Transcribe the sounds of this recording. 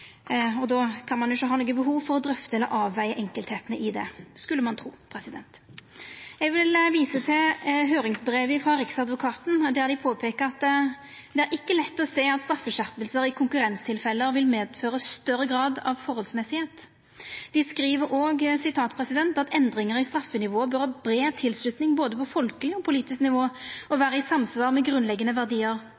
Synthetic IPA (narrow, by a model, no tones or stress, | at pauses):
ɔd̪ɔkʰɑnmɑnjʊçəɦɑːnuːɡəbəɦuːʋfɔɾɔd̪ɾœft̪əɛlɔ̰ʔɑːʋːæɪəʔɛŋkəlt̪heːt̪ənəʔɪd̪ɛ̰skʉlːəmɑnt̪ʰɾṵːpʰɾɛsɪd̪ɛnt̪ | jɛɡʋɪlʋiːsət̪ʰɪɦøːɾɪŋsbɾeːʋɪfʁɑɾɪksɑd̪ʋʊkʰɑːt̪n̩d̪æɾd̪ɪpʰoːpʰeːkəʁɑt̪ːd̪ɛæɾʔɪkːəlɛt̪ːɔseːɑt̪st̪ɾɑfːəʃæpəlsəɾɪkʰʊŋkʉɾɛnst̪ʰɪlfɛlːəɾʋɪlmeːd̪føːɾəsst̪œɾːəɡʁɑːd̪ɑ̰ʋfɔʁhɔlsmɛsɪheːt̪ | d̪̥ɪskɾiːʋəɾʔoːɡsɪt̪ʰɑːt̪pʰʁɛsɪd̪ɛnt̪ɑt̪ɛnd̪ʁɪŋəɾɪst̪ɾɑfːənɪʋoːbœɾhɑːbɾeːt̪ʰɪlslʉt̪nɪŋboːd̪əpʰɔfɔlkəlɪɔːpʰʊliːt̪ɪsknɪʋoːɔʋæːɾəɪsɑmsʋɑːʁmɛɡʁʉnlɛɡːənəʋæʁd̪iːəʁ